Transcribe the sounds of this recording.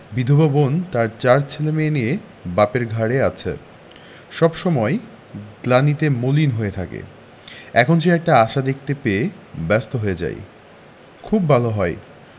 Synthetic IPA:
bid̪ʱobabont̪aɾt͡ɕaɾt͡ɕʰelemeenije | bapeɾɡʱaɾeat͡ɕʰḛ | ʃɔbʃɔmɔe | ɡlanit̪emolinɦoet̪ʰakḛ | ɛkʰonʃ̬eɛk̚ʈaaʃad̪ek̚ʰt̪epee | bɛst̪oɦoed͡ʑa̰j̰ | kʰubːʱaloɦɔe

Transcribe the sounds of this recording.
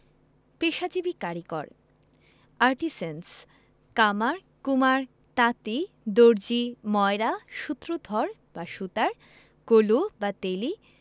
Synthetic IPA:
peʃad͡ʑibikaɾikɔ̰ɾ | aɾʈisens | kamaɾ | kumaɾ | t̪at̪i | d̪oɾd͡ʑimɔeɾaʃut̪ːɾod̪ʱɔɾ | baʃut̪aɾ | kolubat̪eli

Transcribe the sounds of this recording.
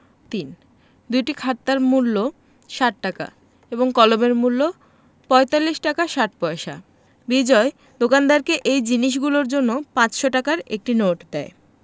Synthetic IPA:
t̪in | d̪ujʈikʰat̪ːaɾmulːo | ʃaʈːaka̰ | eboŋkɔlomeɾmulːo | pɔet̪alːiʃʈakaʃaʈ̚pɔeʃa̰ | bid͡ʑɔe | d̪okand̪aɾkeʔejd͡ʑiniʃ̬ɡuloɾd͡ʑonːopãt͡ɕʃoʈakaɾek̚ʈinoʈd̪ɛe

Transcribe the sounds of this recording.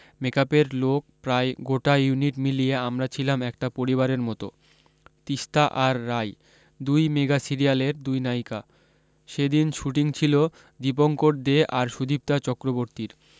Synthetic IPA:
mekapeɾlok̚pɾaeɡoʈajuniʈmilijeamɾat͡ɕʰilamɛk̚ʈapoɾiβaɾeɾmɔt̪o̰ | t̪iʃt̪aʔaɾːaj | d̪ujmeɡasiɾijaleɾd̪ujnajka | ʃed̪inʃuʈiŋt͡ɕʰilo | d̪ip̬oŋkoɾd̪eʔaɾʃud̪ip̚t̪at͡ɕɔkɾoboɾt̪iɾ

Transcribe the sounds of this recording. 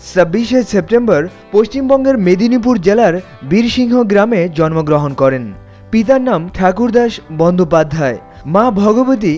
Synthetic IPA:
səbːiʃesep̚ʈembəɾpoʃt͡ɕimbɔŋɡeɾmed̪ʱinip̬uɾd͡ʑelaɾ | biɾʃiŋɦoɡɾamed͡ʑɔnmoɡɾoɦonkɔɾen | pit̪̬aɾnamʈʰakuɾd̪aʃbɔnd̪ʱopad̪ʱːae | mabʱɔɡobot̪̬i

